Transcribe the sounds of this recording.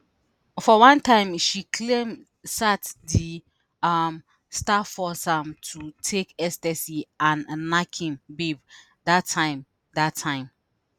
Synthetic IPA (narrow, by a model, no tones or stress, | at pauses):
fɔwãntãɪ̃mʃikʰlẽm | satdi | am | stafɔsãmtʰutʰekɛstɛsiãnːakʰĩmbeb | datʰːãɪ̃m | datʰːãɪ̃m